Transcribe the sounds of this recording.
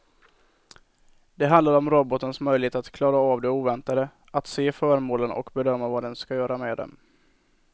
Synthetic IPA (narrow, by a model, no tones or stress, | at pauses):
d̪ɛɦand̪laɾɔmɾɔbɔt̪ənsmœjlɪheːt̪at̪kʰlɑːɾaːvd̪ɛuːvɛnt̪ad̪ə | at̪seːfœːɾmoːlənɔ̰kbɛd̪œmːavad̪ɛnskajœːɾamed̪ɛ̰m